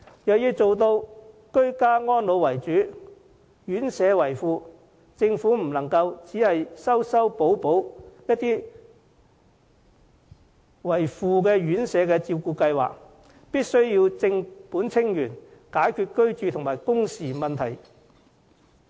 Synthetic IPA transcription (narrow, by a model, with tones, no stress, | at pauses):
jɐ˨wjiː˧wt͡so˨wt̪o˧w | kɵ˥ɥkaː˥ŋɔː˥nlo˨˧wwɐ˨˩jt͡ʃyː˨˥ | jyː˨˥nsɛː˨˧wɐ˨˩jfuː˨˧ | t͡sɪ˧ŋfuː˨˥m̩˨˩lɐ˨˩ŋkɐ˧wt͡siː˨˥hɐ˨jsɐ˥wsɐ˥wpo˨˥wpo˨˥wjɐ˥t̚t̪iː˥ | wɐ˨˩jfuː˨˧k̬ɛː˧jyː˨˥nsɛː˨˧kɛː˧t͡siː˧wkuː˧kɐ˧jwa̰ː˨k̚ | piː˥t̚sɵ˥ɥjiː˧wt͡sɪ˧ŋpuː˨˥nt͡sʰɪ˥ŋjyː˨˩nkaː˨˥jkʰyː˧t̚kɵ˥ɥt͡ʃyː˨˧t̪ʰʊ˨˩ŋmaː˨˩jkʊ˥ŋsiː˨˩mɐ˨nt̪ʰɐ˨˩j